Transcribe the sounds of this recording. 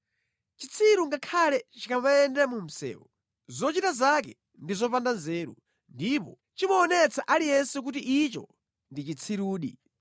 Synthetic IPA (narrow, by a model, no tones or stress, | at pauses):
t͡ʃit͡sʰiɾuŋɡakʰalɛt͡ʃikamaɛndɛmum̩sɛ̰ːwɔ | zɔt͡ʃitazak̬ɛ | ndizɔpandanzɛːɾṵ | ndipɔ | t͡ʃimɔːnɛt͡sʰaʔalijɛnsɛk̬utiʔit͡ʃɔ̰ | ndit͡ʃit͡sʰiɾuːɗḭ